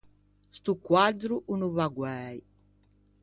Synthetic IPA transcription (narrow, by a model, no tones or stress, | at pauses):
st̪ukwad̪ɾuʔunuvaɡwɛj